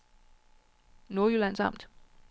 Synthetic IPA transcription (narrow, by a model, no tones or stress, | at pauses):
noɐjylæn̰sɑ̈m̰d̥